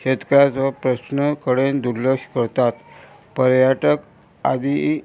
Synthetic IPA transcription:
ɕet̪kəɾjat͡sʋəpɾəsnəkəɽend̪uɾləkɕkəɾt̪at̪ | pəɾjaʈək | ad̪i

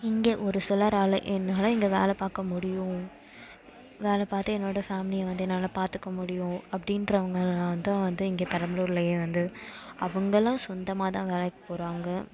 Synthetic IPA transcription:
ɪŋɡeːʔɔɾɯsɪlɐɾaːlɐʔɛnːaːlɐ̃ɪŋɡeːʋḛːlɛpaːɾkɐmʊɽɪjʊ̃ | ʋeːlɛpaːɾt̪ːɯɛnːoːɽɐfaːmɪnɪjɐʋɐnd̪ɯɛnːaːlɐpaːɾt̪ɯkːɐmʊɽɪjʊ̃ɐpːɐɽɪnɾɐɐʋɐŋɡɐãːʋɐnd̪ãːʋɐnd̪ɯɪŋɡeːpɐɾɐmɐluːɾɪlɐjeːʋɐnd̪ɯɐʋɐŋɡɐlãːsɔnd̪ɐmaːt̪ãːʋeːɭɛkːɐ̥poːɾaːŋɡɐ

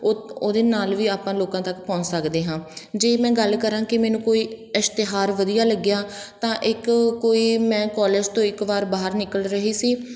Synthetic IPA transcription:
oːd̪eːnaːlʋiːaːpãːloːkãːt̪əkpɔ̃ːt͡ʃsəkd̪eːɦãːd͡ʒeːmɛ̃ːɡəlkəɾãːkɪmɛ̃ːnũːkoːiːɪst̪ɪɦaːɾʋəd̪ijaːləɡjaːt̪ãːʔɪkkoːiːmɛ̃ːkɔːleːd͡ʒt̪õːɪkʋaːɾbaːɦəɾnɪkəlɾəɦiːsiː

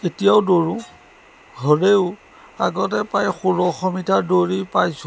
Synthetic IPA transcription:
etijaʊdoɹũ | ɦɔɹeʊ | a̰ɡɔt̬ɛpajxuɹɔxɔmitʰadoɹipajsʊ

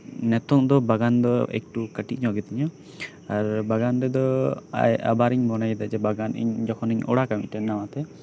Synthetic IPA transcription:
nɛt̪ɔŋd̪ɔbaɡand̪ɔɛ̰k̚ʈukəʈiʔ̚ɲɔɡɛt̪iɲɔ | aɾbaɡanɾɛd̪ɔa̰ja̰baɾiɲbɔnajd̪ad͡ʒɛbaɡanḭɲd͡ʒɔkʰɔniɲɔ̰ɽakamḭcʈɛnːawat̪ɛ

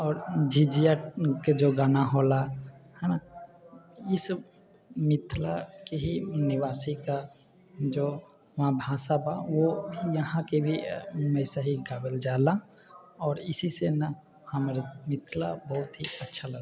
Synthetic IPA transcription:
ɔːɾd͡ʒid͡ʒijaʈked͡ʒoɡaːnaɦolahãna | ɪs | mɪt̪ʰlakeɦinɪʋaːsika | d͡ʒo | mãbʱaːsabaʋojəɦãkebʱimɛːsaɦiɡaːbəld͡ʒaːla | ɔːɾɪsisenə | həmːɾemɪt̪ʰlabəɦʊt̪ɦiətːʃʰaləɡa

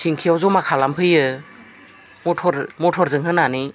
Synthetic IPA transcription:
sʰiŋkʰiɔwzɔmakʰalampʰɯjɯ | mɔtʰɔɾmɔtʰɔɾzɯŋɦɯnani

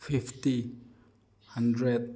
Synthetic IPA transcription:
fifti | hãndɾɛd̪̚

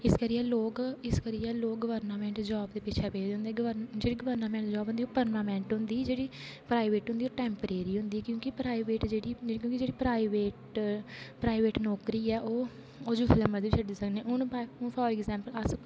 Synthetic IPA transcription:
ɪskəɾiːɛːloːkɪskəɾiːɛːloːkɡəʋəɾnaːmɛ̃ːɳʈd͡ʒɔːbd̪eːpɪt͡ʃʰɛːpeːɦʊnd̪eɛːɡəʋəɾd͡ʒeːɽiːɡəʋəɾnaːmɛ̃ːɳʈd͡ʒɔːbʊ̃nd̪iːoːpəɾnaːmɛ̃ːɳʈɦʊ̃nd̪iːd͡ʒeːɽiːpɾaːiʋeːʈɦʊnd̪iːoːʈɛ̃ːmpəɾeːɾiːɦʊ̃nd̪iːkjõːkɪpɾaːiʋeːʈd͡ʒeːɽiːkjõːkid͡ʒeːɽiːpɾaːiʋeːʈ | pɾaːɪʋeːʈnɔːkɾiːɛːʔoː | oːd͡ʒuːfʰɪləməd̪ʋiːt͡ʃʰəʈd̪eːsəknẽːʊnbaʊnpʰɔːɾɪɡzɛ̃ːmpəlas

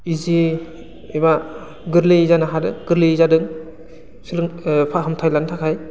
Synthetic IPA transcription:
izi | eba | ɡɯɾleizanaɦadɯŋɡɯɾlezadɯŋ | silɯŋpʰaɦamtʰajlantʰakʰaj

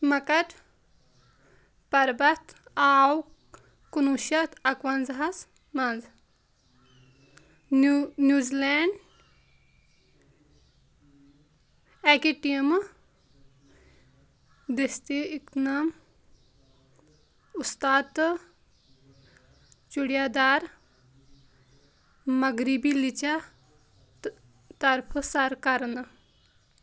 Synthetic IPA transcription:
mɐkɐʈ̪ | pɐɾbɐt̪aːw | kunuʃɐt̪ɐkʋɐnzɦɐs | mɐnz | njuzileɳɖ | ɛkiʈiɐm | d̪est̪eɪknaːm | ʊst̪aːt̪ | t͡ʃʊɽijaːd̪aːɾ | mɐɡɾibilit͡ʃa | t̪ɐɾpʰsɐɾkɐɾn

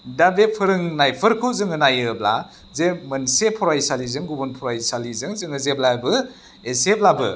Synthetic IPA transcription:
dabepʰɯɾɯŋnajpʰɯɾkʰɯzɯŋɯnajɯbla | zemɯnsepʰɔɾajsalizɯŋɡubunpʰɔɾajsalizɯŋzɯŋɯzeb̚labɯ | eseb̚labɯ

